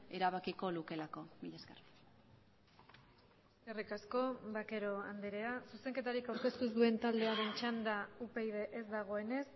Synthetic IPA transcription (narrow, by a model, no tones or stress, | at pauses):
e̞ɾaβakiko̞luke̞lako̞miʎesker | eskerikasko̞βake̞ɾo̞and̪eɾe̞asuse̞ŋke̞t̪aɾikawɾke̞st̪uzd̪ue̞nt̪ald̪e̞aɾe̞nt͡ʃand̪aupejðe̞ʔezd̪aɣ̞o̞e̞ne̞s